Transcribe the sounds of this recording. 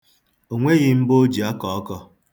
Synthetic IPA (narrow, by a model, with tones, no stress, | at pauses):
o˨ŋʷe˦ɣɪ˦m̩˦bo˦d͡ʒi˨a˦kɔ˨ɔ˦kɔ˦